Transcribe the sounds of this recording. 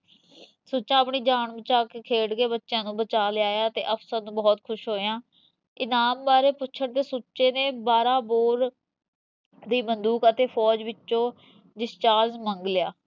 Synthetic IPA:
soːt͡ʃãːəpɳiːd͡ʒaːɳbət͡ʃaːkkʰeːɽkeːbətːʃjãːnũːbət͡ʃaːleaːjaːt̪ḛːʔəpsəɾnũːbɔːt̪kʰʊʃɦoːjãː | ɪnaːmbaːɾeːpʊtːt͡ʃʰəɳt̪eːsoːʃeːneːbaːɾãːboːɾ | d̪iːbənd̪uːkət̪eːpʰɔːd͡ʒʋɪt͡ʃːʃõː | ɖɪst͡ʃaːɾzməŋɡlɪjaː

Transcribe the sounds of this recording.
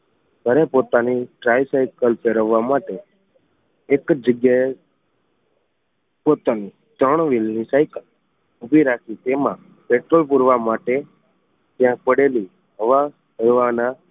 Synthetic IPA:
ɡʱəɾepot̪aniʈɾasajkəlpeɾəʋːamaʈe | ekd͡ʒəɡjae | pot̪ani | t̪ɾəɽ̃ʋilnisajkəl | ʊbʱiɾakʰit̪emã | peʈɾolpuɾʋamaʈe | t̪jãpəɽeli | ɦəʋa | əɾʋana

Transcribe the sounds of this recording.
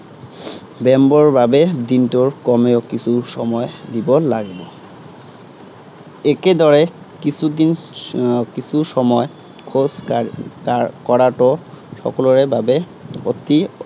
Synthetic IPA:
bɛmbɔɹbʱabed̪inʈoɹkɔmeokisʰuʃɔmɔed̪ibɔlaɡebɔ | eked̪ɔɹe | kisʰud̪in | kisʰuʃɔmɔe | kʰos | kɔɽaʈo | ʃɔ̰koloɹebʱabe | ot̪i

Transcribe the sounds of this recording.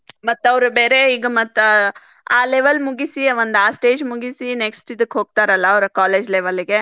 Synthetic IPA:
mɐt̪ːɐʋɾubeːɾeiːɡɐmɐt̪ː | aːleʋɐlmuɡisiʋond̪aːsʈeːd͡ʒmuɡisine̞ksʈid̪ɐkːɦo̞ːɡ̚t̪aːɾɐlːɐːʋɾɐkaːleːd͡ʒleʋɐliɡe̞

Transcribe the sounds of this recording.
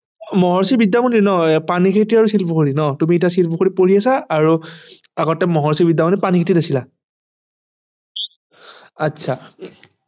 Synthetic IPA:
mɔɦɔɹsibidːamɔninɔpanikʰitiaɹusilpukoɹinɔtumiɛtasilpʰukoɹipoɹiasaːɹu | aɡɔtɛmɔɦɔɹsibidːamɔnipanikʰititasila | atːsʰa

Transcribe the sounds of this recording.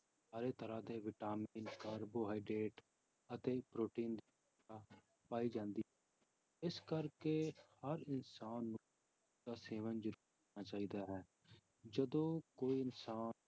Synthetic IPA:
saːɾeːt̪əɾãːd̪eːʋɪʈaːmiːnkaːɾboːɦaːiːɖeːʈ | ət̪eːpɾoːʈiːnd̪iː | aː | paːiːd͡ʒãːnd̪iːɛː | ɪskəɾkeːhəɾɪnsaːnːu | aːseːʋənd͡ʒəɾuː | aːt͡ʃaːiːd̪aːɦɛː | d͡ʒəd̪õːkoːiːɪnsaː

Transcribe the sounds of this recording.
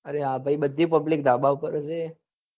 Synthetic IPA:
əɾeɦãbʱaibəd̪ʱːipəblik̚d̪ʱabaupəɾəse

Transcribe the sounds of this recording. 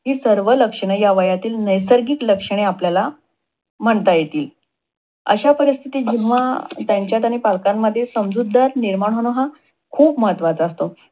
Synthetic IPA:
ɦiːsəɾʋələkʂəɽ̃əjaʋəjat̪iːlnəjsəɾɡiːkləkʂəɳ̃eapljala | m̤əɳt̪ajet̪iːl | ə̰ɕapəɾist̪ʰit̪iːd͡ʑiʋat̪jaɲt͡ɕjat̪̬añipalkamːəd̪ʱːjesəmd͡zud̪ːaɾniɾmaɳ̃ɦoñoɦa | kʰuːpməɦət̪ʋat͡sːst̪o

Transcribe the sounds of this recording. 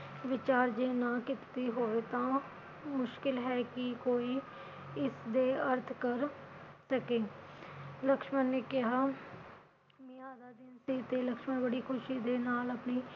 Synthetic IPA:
ʋɪt͡ʃaːɾd͡ʒeːnãːkɪt̪t̪iːɦoːʋeːt̪ãː | mʊʃkɪlɦɛːkɪkoːiː | ɪsd̪eːəɾt̪ʰkəɾsəkeː | ləkʃmənneːkɪɦaː | mĩaːd̪aːd̪ɪnsiːt̪eːləkʃmənbəɽiːkʰʊʃiːd̪eːnaːləpniː

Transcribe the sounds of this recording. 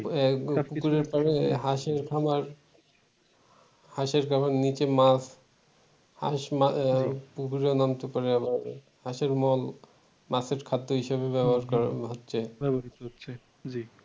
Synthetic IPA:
pukuɾeɾpaɾeɦaʃeɾkʰamaɾ | haʃeɾkʰamaɾnit͡ɕemas | ha̰ʃmapukuɾeonamt̪epɔɾeabaɾ | haʃeɾmɔl | maseɾkʰad̪ːoɦiʃabebɛboɦaɾkɔɾaɦotːɕʰebɛbaɾit̪ootːɕʰe | d͡ʑi

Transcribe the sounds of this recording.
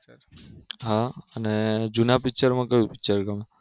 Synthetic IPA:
ɦãəned͡ʒunapɪk̚t͡ʃəɾmãkəpɪkt͡ʃəɾɡəma

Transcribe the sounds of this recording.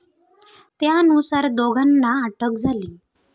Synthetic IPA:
t̪janusaɾd̪oɡʱanːaːʈək̚d͡zʱaliː

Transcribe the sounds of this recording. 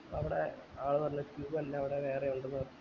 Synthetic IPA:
ɐʋiɽḛaːɭɨpɐrɐɲːɐkjuːɡɐlːɐːʋiɽeʋe̞ːreuɳɖunː

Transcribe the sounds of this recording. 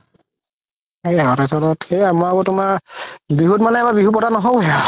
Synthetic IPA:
ejɔtasɔlɔtxejamɔaɡɔtʊmaɹbiɦut̚manɛɛbabiɦup̬ɔtanɔɦowɦɛa

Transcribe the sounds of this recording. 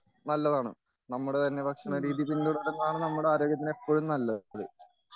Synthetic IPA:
nɐlːɐðaːɳɨ̰ | nɐmːuɽet̪ɐnːe̞bɐkʂɐnɐɾiːðjipːinɐluɽɐɾenːɐðaːɳɨnɐmːuɽeaːɾoːɡjɐt̪̬ːine̞pːo̞ːɻumnɐlːɐðɨ

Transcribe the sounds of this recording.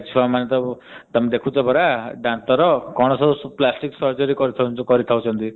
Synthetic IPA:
t͡ʃʰuamanet̪ɔ | t̪ɔmd̪ekʰũt͡ʃʰɔbʱɔɾaɖant̪ɔɾɔkɔɽ̃ɔsɔuplasʈiksɔɾd͡ʒɔɾikɔɾit̪ʰakɔɾit̪ʰawt͡ʃʰɔnt̪i

